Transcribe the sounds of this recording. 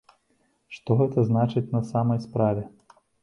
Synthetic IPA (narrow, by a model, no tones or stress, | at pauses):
ʂt̪ɔɣɛt̪ɐznat͡ʂɨt͡sʲnɐsamɐjspɾavʲɛ